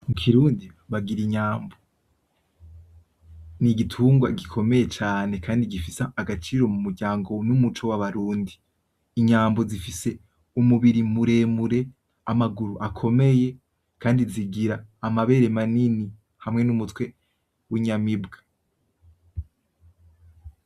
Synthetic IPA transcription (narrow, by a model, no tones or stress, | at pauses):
mukʰiɾuːndi | βaɡiɾiɲaːmbo | niɡitʰuːŋɡwa̰ɡikʰo̞me̞je̞t͡ʃaːne̞kʰaːndiɡifisaːɡat͡ʃiɾo̞mumuɾɟaːŋɡo̞numut͡ʃo̞waβaɾuːndiː | ɲaːmbo̞zifise̞ | umuβiɾimuɾe̞muɾe̞ | amaɡuɾuʔakʰo̞me̞je̞ | kʰaːndiziɡiɾaːmaβe̞ɾe̞manini | hamŋe̞numutwe̞ | wiɲamibɡa